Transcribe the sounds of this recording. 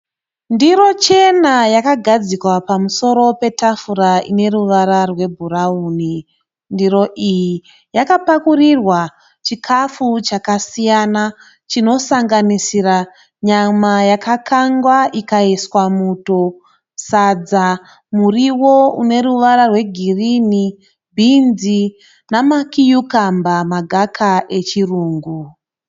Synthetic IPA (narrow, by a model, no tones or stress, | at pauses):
ndiɾo̞t͡ʃe̞najakaɡʱad͡zikwapamuso̞ɾo̞pe̞tafuɾaine̞ruʋaɾarwe̞bʱurauːni | ndiɾo̞ʔiji | jakapakurirwa | t͡ʃikʰafut͡ʃakasijana | t͡ʃino̞saŋɡanisira | ɲamajakakʰaŋɡwaʔikaiswamuto̞ | sad͡za | muriwo̞une̞ruʋaɾarwe̞ɡʱirini | bʱind͡zi | namakijukambamaɡʱakʰaʔe̞t͡ʃiruːŋɡu